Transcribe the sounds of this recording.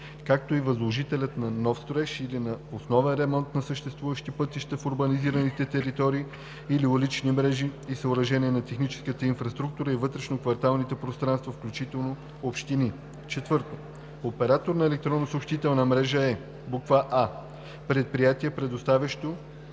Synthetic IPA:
kak̚t̪oivɐzlˠoʒit̪ɛlʲɐt̪nɐnɔfst̪ɾɛʃilinɐosnɔvɛnɾɛmɔnt̪nɐsəʃt̪ɛst̪vuvəʃt̪ipɤt̪iʃt̪əfoɾbɐniziɾənit̪ɛt̪ɛɾit̪ɔɾiː | iliolit͡ʃnimɾɛʒiisəoɾɐʒɛniɛnɐt̪ɛxnit͡ʃɛ̥skət̪əinfɾɐst̪ɾuk̚t̪uɾəivɤt̪ɾɛʃnokvɐɾt̪alˠnit̪ɛpɾost̪ɾanst̪vɐfklʲut͡ʃit̪ɛlˠno | opʃt̪ini | t͡ʃɛt̪vɤɾt̪o̥ | opɛɾat̪oɾnɐɛlɛk̚t̪ɾɔnːosopʃt̪it̪ənɐmɾɛʒəɛ | blˠokvaʔa | pɾɛt̪̚pɾijat̪iɛpɾɛd̪ost̪avʲɐʃt̪o

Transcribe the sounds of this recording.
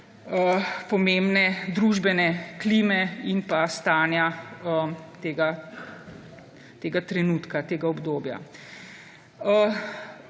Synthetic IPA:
əpɔmeːmbnɛd̪ɾuʒbɛnɛklimɛinpast̪aːnjaət̪eːɡa | t̪eːɡat̪ɾɛnuːt̪kat̪eːɡaɔbd̪oːbja̰ | ə

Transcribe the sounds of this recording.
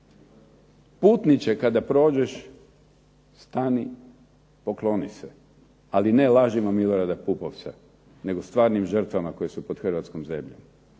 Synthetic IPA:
puːt̪nit͡ɕekad̪apɾo̞ːd͡ʑe̞ʃ | st̪ani | poklo̞nḭse | aline̞laʒimamilo̞ɾad̪apupoʋt̪sa̰ | ne̞ɡo̞st̪ʋaːɾnimʒər̩t̪ʋamako̞je̞supo̞d̪xr̩ʋat̪skomze̞mʎo̰m

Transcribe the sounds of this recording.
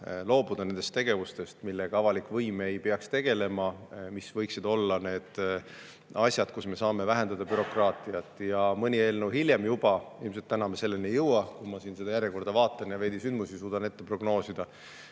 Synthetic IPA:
lo̞ːbud̪̥ɑne̞nd̪̥est̪e̞ɡ̥e̞vust̪e̞st̪milːeɡ̥ɑɑvɑlikːˑvɤjme̞jpeɑkst̪e̞ɡ̥e̞le̞mɑmisvɤjksid̪̥o̞lːɑne̞ːd̪̥ | ɑsʲjɑd̪̥̚kusme̞sɑːme̞væɦe̞nd̪ɑd̪̥ɑbyɾo̞krɑːt̪ˑiɑt̪ːˑjɑmɤnʲie̞ːlnɤwɦiljemjub̥ɑilms̬et̪ːænɑmese̞lːenijɤwɑkumɑsiːnsed̪ɑjæɾʲjeko̞rd̪̥ɑvɑːt̪ːˑɑnjɑve̞ːd̪̥isynd̪musisuːd̪̥ɑne̞t̪ːe̞pro̞ɡ̥no̞ːsid̪̥ɑ

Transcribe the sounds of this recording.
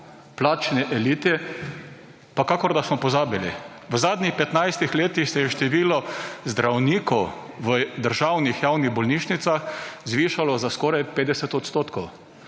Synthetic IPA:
plaːt͡ʃnɛʔɛliːt̪ɛ | pakaːkɔɾd̪asmɔpɔzaːbilḭ | ʋəzaːd̪nʲixpɛt̪najst̪ixleːt̪ixsɛjɛʃt̪ɛʋiːlɔzd̪ɾawniːkɔw | ʋəd̪əɾʒawnixjaːwniɣbɔlniʃnit̪saxzʋiːʃalɔzaskɔɾajpeːd̪ɛsɛt̪ɔt̪st̪oːt̪kɔw

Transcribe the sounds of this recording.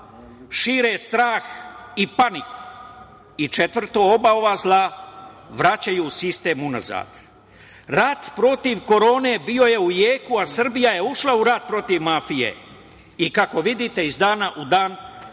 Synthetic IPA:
ʃiːɾest̪ɾaːxipaniku̥ | it͡ʃe̞t̪ʋr̩t̪oo̞baoʋaːzlˠa | ʋɾat͡ɕajuːsist̪e̞ːmuna̰za̰ːd̪̥ | ɾat̪pɾo̞t̪iʋko̞ɾo̞ːne̞bio̞je̞ujeːkuasr̩bijaje̞uʃlauɾat̪̚pɾo̞t̪iʋmafijḛ | ikako̞ʋid̪it̪e̞izd̪aːnaʔud̪aːn

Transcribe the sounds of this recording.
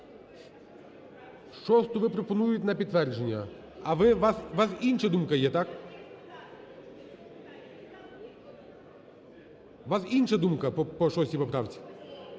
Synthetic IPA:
ʃt͡ʃɔst̪ʊʋɪpɾɔpɔnujʊtʲnɐpʲid̪̚t̪ʋɛrd͡ʒenʲːɐ | ɐʋɪʋɑsʋɑsinʃɐd̪umkɐjɛt̪ɑk | ʋɑsinʃɐd̪umkɐpɔpɔʃɔsʲipɔpɾɑʋt͡sʲi̥

